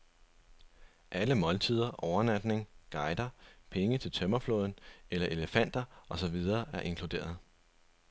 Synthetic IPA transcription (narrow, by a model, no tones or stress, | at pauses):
ʔæləmɒ̽lt͡sʰið̞ˠɐʔɒʊɐnæd̥ne̝ŋɡ̥ɑ̈ɪd̥ɐpʰeŋət͡sʰe̝lt͡sʰœmɐfloːð̞ˠn̩elɐʔe̝ləfæn̰d̥ɐʔɒ̽sɒ̽ʋið̞ˠɐːʔæɐʔe̝ŋkʰlud̥e̝̰ːɐð̞̩ˠ